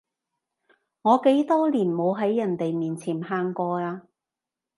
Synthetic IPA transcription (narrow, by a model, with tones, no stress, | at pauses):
ŋɔː˨˧ke˨˥jt̪ɔː˥liː˨˩nmo˨˧wɦɐ˨˥jːɐ˨˩nt̪e˨jmiː˨˩nt͡sʰiː˨˩nɦaː˧ŋkɔː˧aː˧